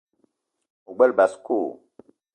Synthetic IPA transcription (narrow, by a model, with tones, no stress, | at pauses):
u˨ɡ͡bɛ˦lba˨skoː˦˨